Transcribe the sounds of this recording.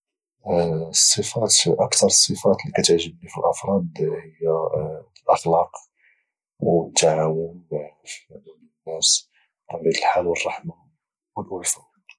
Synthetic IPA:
sˤːəfɑt̪ʔɑkt̪ɑɾˤsˤːəfɑt̪likæt̪əʕʒəbnifilʔɑfɾˤɑd̪həjːæ | lʔɑxlɑq | wt̪ːaʕawənf | nːæs | ɑbid̪əlħalwərˤːɑħma | wəlʔʊlfɑ

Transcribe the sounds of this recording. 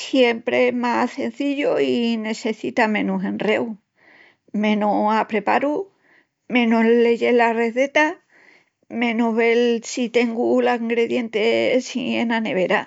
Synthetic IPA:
sje̞mpɾeemase̞n̟θiʎoine̞se̞θit̪amẽ̞nuɦe̞nre̞w | mẽ̞nuapɾe̞paɾu | mẽ̞nule̞ʎe̞lare̞θe̞t̪a | mẽ̞nuɦβe̞lsit̪e̞ŋɡulaiŋɡɾe̞ðje̞nt̪esḭenane̞β̞e̞ɾa

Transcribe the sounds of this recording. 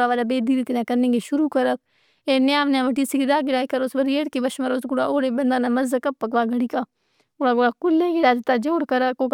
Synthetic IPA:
aʋaːlabeːd̪iːɾit̪inakɐɾnẽŋɡeʃʊɾuːkɐɾək̚ | eːnɪjaːʋnjãːʋɐʈ̬iːsikiɾaːɡɪɽaːikɐɾoːsbɐɾeːɽkeʋɐʃmɐɾoːsɡʊɽaʔoːɽebɐnd̪aːnamɐzəkɐpːɐkʋaːɡʱɐɽiːka | oɽaːɡoɽakʊlːeɡɪɽaːd̪ɐt̪ad͡ʒoːɽkɐɾəkok

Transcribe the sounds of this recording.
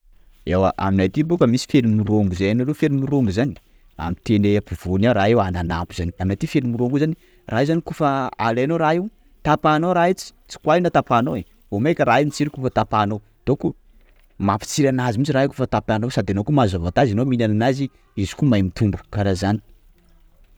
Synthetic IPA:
ewa̰ʔa̰minat̪ibukəmisi̥felimuɾoŋɡuzajanalefelimuɾoŋɡuzani̥ | a̰mit̪eneapiv̥onaɾaewanana̰pu̥z̥aniaminat̪ifelimuɾoŋɡuzani | raɦezanikufaalenoɾaew | t̪apanoɾait͡si̥t͡si̥kwainat̪apanowe | vomajkʲəɾaeunit͡siɾikufət̪apanow | d̪̥oku | mapi̥t͡siɾanazimit͡siɾaekufət̪apanowsad̪anokumazavat̪azinominananazi | izi̥kumajmit̪umbu̥kaɾazani̥

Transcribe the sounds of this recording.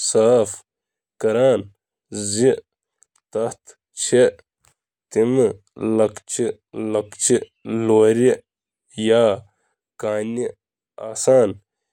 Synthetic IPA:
saːf | kɐɾaːn | zi | t̪ɐht̪ʰ | t͡ʃʰe | t̪im | lɐkt͡ʃʰi | lɐkt͡ʃʰi | loːɾi | jaː | kaːni | aːsaːn

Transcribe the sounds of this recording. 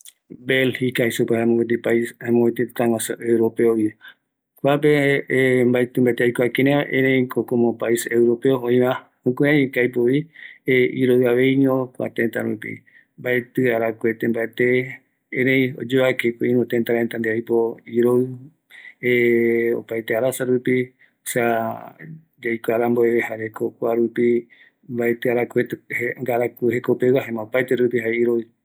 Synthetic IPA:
belhikaisupehamõɡwet̪̬ipaihamõwet̪et̪ãwãsoʔewɾopeoβi | kʷap̬e | mbaet̪ɨ̃mbaet̪eajkoakeɾẽʔẽɾẽĩkokomopaisewɾopeoõĩβã | okʷeaɲikajpoieiɾoɨaβeiɲõkʷa̰t̪ẽnt̪a̰ɾupḭ | mbaet̪ɨaɾakʷet̪ẽmbaet̪e | ẽɾẽjo̰d͡ʒoakekeĩɾũt̪ent̪aɾaẽnt̪and̪eajpoiɾoɨ | eo̰pajt̪eaɾasaɾupi | sa | d͡ʒajkʷaɾamboeβehaɾekokʷaɾupi | mbaet̪ɨaɾakʷet̪eŋɡaɾakuhekopewaɦẽmãopajt̪eɾupiɦaeiɾoɨ

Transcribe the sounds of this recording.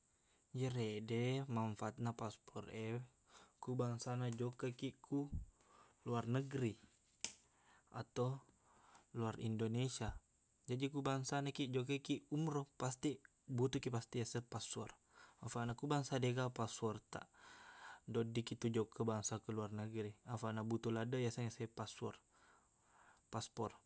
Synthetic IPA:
d͡ʒəɾedɛmaɱfat̪̚napaspʰɔrɛ | kubaŋsanad͡ʒokəkiʔkʰu | luarnəɡɾi | at̪a | luarḭndonesia | d͡ʒadikubaŋsanakid͡ʒokəkiumɾɔpast̪i | but̪ukipast̪ijasəpasɔ̰r | afanakubaŋsadeɡapasuɔrt̪a̰ʔ | dodikit̪ud͡ʒokʰəbaŋsakuluarnəɡɾiafanabut̪uladəjasəŋasapasuɔr | paspɔr

